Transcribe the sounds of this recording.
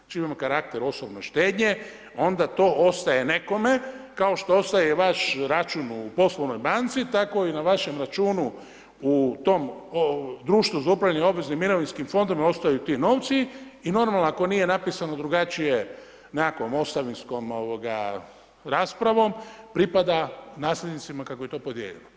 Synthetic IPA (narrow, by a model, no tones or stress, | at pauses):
t͡ʃimamokaɾak̚t̪eɾo̞sobnoʃt̪eːd̪ɲe̞ | o̞nd̪at̪o̞o̞st̪aje̞ne̞ko̞me̞kao̞ʃt̪o̞ost̪ajeʋaʃɾat͡ʃunupo̞slˠoʋno̞jbaːnt̪sit̪ako̞inaʋaʃe̞mɾat͡ʃuːnu | ut̪o̞mod̪ɾuːʃt̪ʋuzaupɾaʋʎʲjanio̞bʋe̞znimːiɾo̞ʋinskimfo̞nd̪omao̞st̪ajut̪iːno̞ːʋt̪siino̞ɾmalnoako̞niːje̞napiːsano̞d̪ɾuɡat͡ʃije | nako̞mo̞st̪aʋinsko̞mo̞ʋoɡa̰ | ɾaːspɾaʋo̞mpɾipad̪anaːslʲed̪nit̪simakakojt̪o̞pod̪jḛʎḛlo